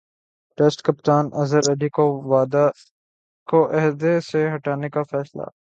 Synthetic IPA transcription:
ʈesʈkɐpt̪aːnʔɐzəɾɐɖikoʋaːd̪ | koʔɛɦd̪eseɦɐʈaːnekafɛːsla̰ː

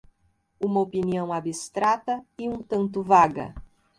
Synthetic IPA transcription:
ũmɐopiniɐ̃w̃abist̪ɾat̪ɐiũt̪ɐ̃nt̪ʊvaɡɐ̰

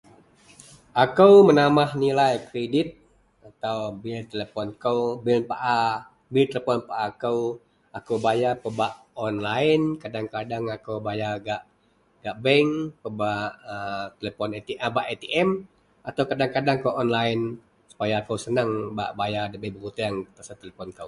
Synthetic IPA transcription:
ʔakəwmənamahnilajkɾedɪt̪̚ | at̪awbɪlt̪elepɔnkəwbilpaʔa | bilt̪eləpɔnpaʔakəw | akəwbajapəbaʔ | ɔnlaɪnkadaŋkadaŋakəwbajaɡaʔ | ɡ̥aʔbɛŋpəbaʔət̪elepɔnet̪iʔəbaʔet̪iʔɛm | at̪awkadaŋkadaŋkəwʔɔnlaɪn | su̥pajaːkəwsənəŋba̰ʔbajadəbɛbəkut̪aaŋt̪asat̪eləpɔnkəw

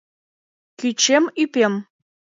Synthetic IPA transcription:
kʲyt͡ɕemypʲem

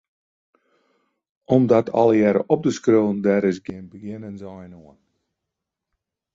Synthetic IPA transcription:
ɔmdɔtʰɑ̰ləjɛɾə̰ʔɔp̚dəskrøːəndɛɾɪsɡɪənbəɡɪnənzɔjnoən

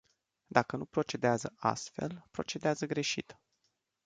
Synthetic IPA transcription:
d̪akənupɾo̞t͡ʃe̞d̪eazəa̰st̪fe̞lpɾo̞t͡ʃe̞d̪eazəɡɾe̞ʃit̪

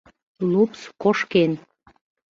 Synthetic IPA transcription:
lupskoʃken

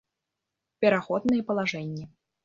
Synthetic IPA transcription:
pʲɛɾaxɔd̪nɨjɛpɐlˠaʐɛnʲːɛ

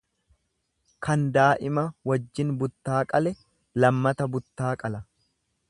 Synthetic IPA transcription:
kɐnd̪aːʔɪmɐwɐd͡ʒːɪnbʊt̪ːaːkʼɐlɛ | lɐmːɐt̪ɐbʊt̪ːaːkʼɐlɐ

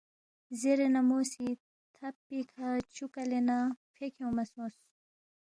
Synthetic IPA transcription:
zeɾenamoːsi | t̪ʰapːikʰat͡ʃukalenafʰekʰewmɐsõːs

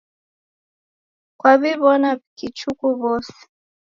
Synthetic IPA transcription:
kwaβiβɔnakit͡ʃukuβɔsɛ̥

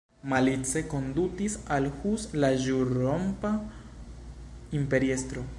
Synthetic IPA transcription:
malit͡se̞ko̞nd̪utisalhuslaʒuɾompa | impe̞ɾiestɾo̞

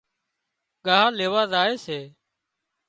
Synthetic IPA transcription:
ɠaːɦaːleːʋaːzaːeːseː

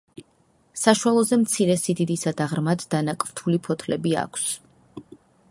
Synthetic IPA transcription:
saʃualˠɔzɛmt̪sʰiɾɛsid̪id̪isad̪aʁɾmad̪ːanakʼvt̪ʰulipʰɔt̪ʰlɛbia̰kʷʰs

